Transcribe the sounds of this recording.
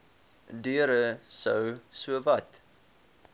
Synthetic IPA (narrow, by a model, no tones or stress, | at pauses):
dyəɾəsœwsuəvɐt